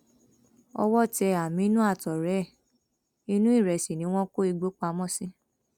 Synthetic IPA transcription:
ɔ̰˧wɔ˦˨tɛ˧a˨mĩ˨˦i˦nũ˦a˦˨tɔ˨ɾɛ˨˦˨ | i˧nũ˦i˦˨ɾɛ˨si˨nĩ˦w̃ɔ̃˦ko˦i˧ɡ͡bo˦k͡pa˧mɔ̃˦sĩ˦

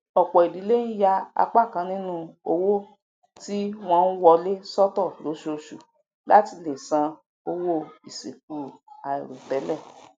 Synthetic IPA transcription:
ɔ˨k͡pɔ˨i˨di˨˦le˦n̩˦ja˧a̰˧k͡pa˦˨kã˨˧nĩ˦nũ˧o˧wo˦ | ti˦w̃ɔ̃˦n̩˦wɔ˧le˦sɔ˦tɔ˦˨lo˨˦ʃo˧ʃu˨ | la̰˦ti˧le˨sã˧ | o˧wo˦i˨se˨ku˨a˨ḭ˨ɾo˨tɛ˨˦lɛ˦˨

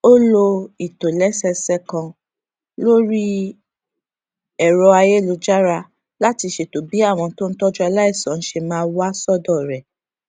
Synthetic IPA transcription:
o˦lo˧i˨to˨lɛ˨˦sɛ˧sɛ˧kã˧ | lo˦ɾi˦ | ɛ˦˨ɾɔ˧a˧je˦˨lo˨˧d͡ʒa˦ɾa˧ | la˦ti˧ʃe˧to˨bi˨˦a˦˨w̃ɔ̃˧to˦n̩˦tɔ˦d͡ʒɔ˦a˧la˦i˦˨sã˨˦n̩˦ʃe˧mãː˦˧˦wa˦sɔ˦dɔ˦˨ɾɛ˨

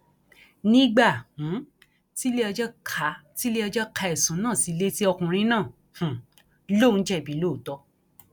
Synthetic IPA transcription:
nĩ˦ɡ͡ba˦˨h̩˨˦ | ti˦le˦ɔ˧d͡ʒɔ˦kʰa˧˦ti˦le˦ɔ˧d͡ʒɔ˦kʰa˧ɛ˨sũ˨˦nãː˦˨si˨˧˦le˦ti˦ɔ˧kũ˧ɾ̃ĩ˦nãː˦˨ | hũ˨ | lo˦˨n̩˨˦d͡ʒɛ˦˨bi˨˦lo˦˨tɔ˧˦

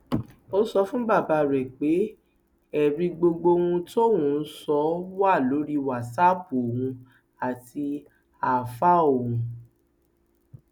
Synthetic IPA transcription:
o˦sɔ˧fũ˦ba˦˨ba˧ɾɛ˨k͡pe˨˦ | ɛ˨ɾĩ˧ɡ͡bo˧ɡ͡bo˧wũ˧to˦wũ˧˦sɔ˨˦wa˦˨lo˨˦ɾi˦wa˨sa˦˨bu˨o˨wũ˧ | a˨ti˧ | a˨fa˦o˨hũ˧

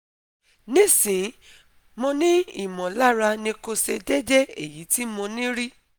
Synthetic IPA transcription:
nĩ˦˨sĩ˨˦ | mɔ̃˧nĩ˦i˨mɔ̃˨la˦ɾa˧nĩ˧ko˧se˧d͡ʒɛ˦d͡ʒɛ˦e˦˨ji˨˦ti˦mɔ̃˧nĩ˦ɾi˦

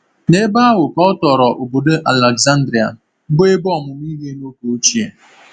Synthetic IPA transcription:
ne˦ba˦a˦wʊ˨kɔ˦ɔ˦tɔ˨ɾɔ˨ʔo˨bo˨do˦ʔa˨le˨ɡza˦n˦dɾi˨a˨˦ | be˦bɔ˦˨mʊ˨m˦i˦ɦe˦no˦ko˨o˦t͡ʃi˦e˨

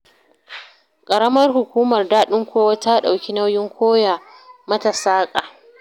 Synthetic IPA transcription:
kʼɐ˨ɾɐ˦mɐ˦rɦʊ˨kʷuː˦mɐ˨rdaː˦ɗɪ˦ŋkʷoː˦wa˦ta˦ɗa˨wkʲi˦na˦wjɪ˦ŋkʷʰoː˦ja˨mɐ˦ta˨saː˦kʼaː˨

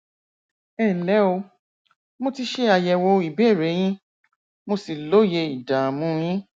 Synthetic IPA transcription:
ɛ˦˨lɛ˨˦o˧ | mo˧ti˧ʃe˦a˧jɛ˧wo˧i˨bɛ˦˨ɾe˨˦j̃ĩ˦ | mo˧si˨lo˨˦je˧i˨da˨mũ˧˦j̃ĩ˦

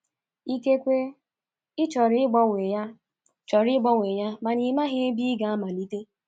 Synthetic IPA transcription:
i˦ke˦kʷe˦ | ɪ˦t͡ʃɔ˨ɾi˦ɡ͡bɔ˦ŋe˨ja˦ | t͡ʃɔ˨ɾi˦ɡ͡bɔ˦ŋʷe˨ja˦ma˨ni˨ma˦ɦe˦e˦bi˦ɡa˦a˦ma˨li˦te˦

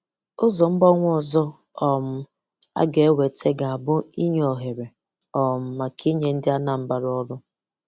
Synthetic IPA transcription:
ʊ˦zɔ˨m̩˦ɡ͡bɔ˦ŋʷ˦ɔ˨zɔ˦ | ɔ˨m̩˦ | a̰˦ɡe˨˦we˨tʰe˦ɡa˨a˨bʊ˦i˦ɲ˨ɔ˨ɦe˨ɾe˨ | ɔ˨m̩˨ma˨kʰi˦ɲe˦n̩˦dɪ˦a˦na˨m̩˦ba˨ɾɔ˦ɾʊ˦

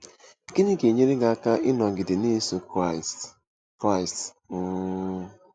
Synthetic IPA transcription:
ɡi˦ni˦ɡe˨ɲe˦ɾe˦ɡa˨a˦˨ka˦ʔɪ˦nɔ˨ɡɪ˨dɪ˨ne˦so˦ks | kɾa˦ɪ˨st̩˦

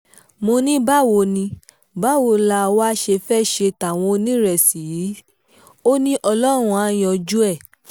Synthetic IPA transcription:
mo˧nĩ˦ba˦˨wo˧nĩ˧ | ba˦˨wo˧la˧wa˦ʃe˧fɛ˦˨ʃe˧ta˨w̃ɔ̃˧o˧nĩ˦ɾɛ˨si˨jiː˨˦ | o˦nĩ˦ʔɔ˧lɔ˦ɾ̃ũ˦a˦jɔ̃˧d͡ʒu˦ɛ˦˨

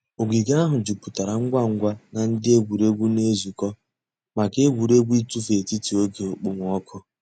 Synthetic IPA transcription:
o˨ɡi˨ɡa˦ɦʊ˨d͡ʒu˨pu˨ta˨ɾa˨ŋ̩˦ɡʷa˦ŋ̩˦ɡʷa˦na˨n̩˦dɪ˦e˦ɡʷu˨ɾe˦ɡʷu˦ne˦zu˨kɔ˦ | ma˨ke˦ɡʷu˨ɾe˦ɡʷi˦tu˦fe˨ti˦ti˨o˦ke˨o˨k͡pʊ˦ŋ˨ɔ˦kʰʊ˦

